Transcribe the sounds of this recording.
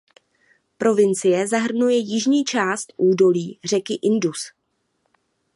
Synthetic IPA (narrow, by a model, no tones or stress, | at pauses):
pɾo̞vɪnt͡sɪjɛzaɦr̩nujɛjɪʒɲiːt͡ʃaːst̪ʔuːdo̞liːr̝ɛkɪʔɪndus